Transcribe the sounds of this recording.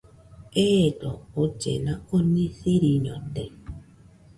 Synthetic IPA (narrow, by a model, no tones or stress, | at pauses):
edɔot͡ʃḛnaonesiɾiɲɔde